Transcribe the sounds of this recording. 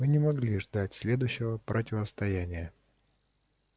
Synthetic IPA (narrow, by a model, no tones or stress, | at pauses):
mɨnʲɪmɐɡlʲiʐd̪atʲsʲlʲe̞d̪ʊjɕːɪvəpɾʔətʲɪvəst̪ɐjænʲɪjə